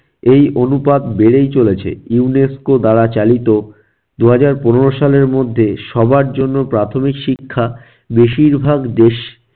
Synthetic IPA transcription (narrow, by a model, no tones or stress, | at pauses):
ejʔonupad̪beɽejt͡ɕolet͡ɕʰḛiuneskod̪aɽat͡ɕalit̪o | d̪uɦad͡ʑaɾponeɾoʃaleɾmod̪ʱːeʃɔbaɾd͡ʑonːopɾat̪ʰomikʃikʰːa | beʃiɾbʱaɡd̪eʃ